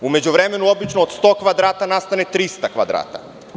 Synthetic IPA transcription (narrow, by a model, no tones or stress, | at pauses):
ume̞d͡ʑuʋɾemenuobit͡ʃnoːt̪st̪okʋad̪ɾaːt̪anast̪anet̪ɾist̪akʋad̪ɾa̰ːt̪a̰